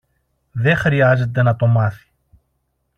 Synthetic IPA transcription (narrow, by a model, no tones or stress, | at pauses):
ðe̞xɾiɐze̞t̪̬e̞nɐt̪o̞mɐθi̥